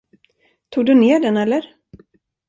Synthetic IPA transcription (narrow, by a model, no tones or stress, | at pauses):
t̪ʰuːɡ̚d̪ɵneːɖɛnɛlːəɾ